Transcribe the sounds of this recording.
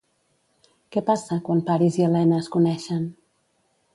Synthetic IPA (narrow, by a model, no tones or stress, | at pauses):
kɛpasəkwanpaɾiziəlɛnəskunɛʃən